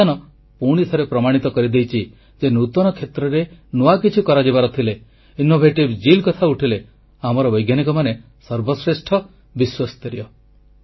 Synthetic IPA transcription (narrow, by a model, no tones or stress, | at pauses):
anɔ | puɽ̃it̪ʰɔɾepɾɔmaɽ̃it̪ɔkɔɾid̪ejt͡ʃʰi | d͡ʒenut̪ɔnɔkʰet̪ɾɔɾenuakit͡ʃʰikɔɾad͡ʒibaɾɔt̪ʰile | inobʱeʈibd͡ʒilkɔt̪ʰauʈʰile | amɔɾɔbɔjɡjanikɔmane | sɔɾbɔsɾesʈʰɔ | biswast̪ɔɾiɔ